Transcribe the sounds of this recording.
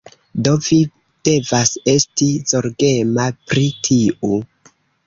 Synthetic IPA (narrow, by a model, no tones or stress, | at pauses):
do̞vi | d̥e̞vase̞stizo̞ɾɡe̞mapɾitʰiʔu